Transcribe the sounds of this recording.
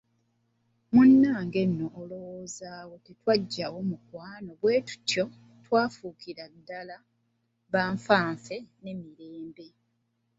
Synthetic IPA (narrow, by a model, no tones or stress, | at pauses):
munːaːŋɡe̞nːoʔːlowozaːwo̞titwaɟːawomukwaːno̞βwe̞ːtu̥tjo̞ | twaːfukiɾadːala | βaːɱfaːɱfe̞ne̞miɾe̞ːmbe̞